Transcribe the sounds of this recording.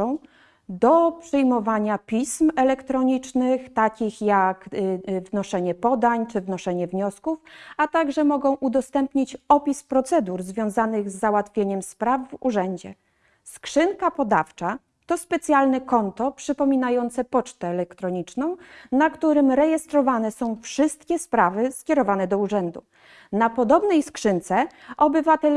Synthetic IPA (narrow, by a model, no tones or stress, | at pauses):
ɔ̃w̃ | d̪ɔpʂɘjmɔvaɲapʲismɛlɛkt̪ɾɔɲit͡ʂnɘxt̪akʲixjakvnɔʂɛɲɛpɔd̪aɲt͡ʂɘvnɔʂɛɲɛvɲɔskufat̪aɡʐɛmɔɡɔ̃w̃ʔud̪ɔst̪ɛmpɲit͡ɕɔpʲispɾɔt̪sɛd̪uɾzvʲjɔ̃w̃zanɘɣzːawat̪fʲjeɲɛmspɾavːṵʐɛɲd͡ʑɛ | skʂɘnkapɔd̪aft͡ʂa | t̪ɔspɛt̪sʲjalnɛkɔnt̪ɔpʂɘpɔmʲinajɔnt̪sɛpɔt͡ʂt̪ɛːlɛkt̪ɾɔɲit͡ʂnɔ̃w̃nakt̪uɾɘmɾɛjɛst̪ɾɔvanɛsɔ̃w̃fʂɘst̪̚kʲɛspɾavɘskʲɛɾɔvanɛd̪ɔuʐɛnd̪u | napɔd̪ɔbnɛjskʂɘnt̪sɛʔɔbɘvat̪ɛl